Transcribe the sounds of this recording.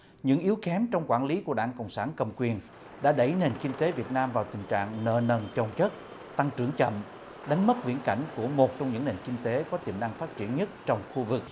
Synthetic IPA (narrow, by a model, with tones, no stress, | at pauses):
ɲɨ̰˧˥ŋʔi˨˦əwkɛ˨˦mt͡ɕɔ˧wŋ͡mkwaː˧˩nli˨˦ku˧˩əɗaː˧˥ŋkə̰˧˨wŋ͡msaː˧˩nkə˨˩wŋ͡mkwi˨˩ən | ɗa̰ː˧˥ɗə˧˩jne˨˩nkï˧ŋ̟t̪e˨˦vi˨˩ət̚naː˧mvaː˨˩wt̪ï˨˩ŋ̟t͡ɕa̰ː˧˨ŋnəː˧˩nə˨˩nt͡ɕə˧˩wŋ͡mt͡ɕə˦˥t̚ | t̪a˧ŋt͡ɕɨ˧˩əŋt͡ɕə̰˧˨m | ɗa˨˦jŋ̟mə˦˥t̚vḭ˧˥ənka̰˧˩jŋ̟ku˧˩əmo˨˩t̚t͡ɕɔ˧wŋ͡mɲɨ̰˧˥ŋne˨˩nki˧ŋ̟t̪e˨˦kɔ˨˦t̪i˨˩mna˧ŋfaː˦˥t̚t͡ɕi˧˩ənɲə˦˥t̚t͡ɕɔ˧wŋ͡mxu˧vɨ˨˩k̚